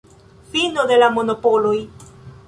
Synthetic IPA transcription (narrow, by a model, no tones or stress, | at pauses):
finod̪elamonopoloj